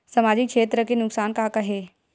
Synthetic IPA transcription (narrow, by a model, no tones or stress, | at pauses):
səmad͡ʑikʂeːt̪ɾəkenʊksaːnkakaɦe